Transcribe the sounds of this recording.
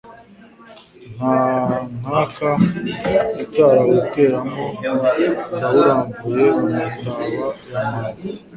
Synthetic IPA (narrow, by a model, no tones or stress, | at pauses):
n̥anaka | icaːɾawukeːɾamo | nawuɾaːɱbuje̞umutaːβajamaːzi